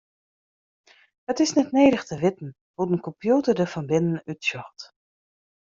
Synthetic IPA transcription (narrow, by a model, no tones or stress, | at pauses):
ətɪsnɛtneːɾəxtʰəʋɪtn̩ | hutən̩kɔmpjuːtərdəfɔnbɪnən̩ytsjɔxt